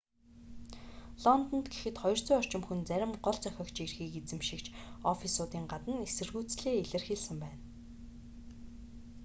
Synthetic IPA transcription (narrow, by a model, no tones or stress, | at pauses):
ɮɔnt̪ɔ̆nt̪ɡe̥xɘ̆t̪χɔjɞ̆r̥t͡sʊjɔr̥t͡ɕɪ̆mxunt͡sæɾʲɪ̆mɢɔɮt͡sœxʲɔ̆kt͡ɕerxiːket͡sɘ̆mʃĭkt͡ɕʰɔfisʊːt̪iːŋɢat̪ə̆nesɘ̆rɣuːt͡sɮeːeɮɘ̆rxeɮsɘ̆mpæːn